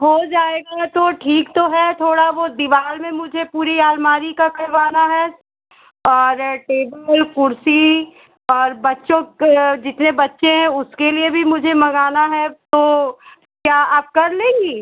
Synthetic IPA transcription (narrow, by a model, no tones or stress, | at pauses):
ɦod͡ʒaːeːɡat̪oʈʰiːkt̪oɦɛt̪ʰoːɽaʋod̪ɪʋaːlmẽmʊd͡ʒʱepuːɾiaːlmaːɾikakɐɾʋaːnaɦɛ | ɔːɾʈeːbəlkʊɾsi | ɔːɾbɐtːʃõd͡ʒɪt̪nebɐtːʃẽɦɛ̃ʊskeliebʱimʊd͡ʒʱemɐɡaːnaɦɛt̪o | kjaːaːp̚kɐɾlẽːŋɡiː